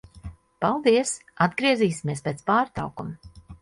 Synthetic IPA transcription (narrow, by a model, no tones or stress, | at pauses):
palˠd̪iɛsad̪ɡɾiɛziːsimʲiɛspʲeːt̪spaːɾt̪a̰wkum